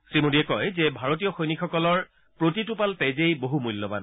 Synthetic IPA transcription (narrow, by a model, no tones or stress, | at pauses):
sɹimodiɛkɔjzɛbʱaɹot̬ijɔxojnikʰɔkɔlɔɹ | pɹotitupaltejzejboɦumujlːɔba̰n